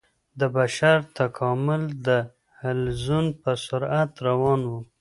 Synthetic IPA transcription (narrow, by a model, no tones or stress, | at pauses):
d̪əbaʃaɾt̪akʰɑmʊld̪ə | halzunpəsʊɾat̪ɾawɑnwu